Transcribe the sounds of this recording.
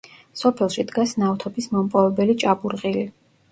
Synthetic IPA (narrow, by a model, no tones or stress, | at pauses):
sɔpʰɛlˠʃid̪ɡasnawt̪ʰɔbismɔmpʼɔvɛbɛlit͡ʃʼabuɾʁʼili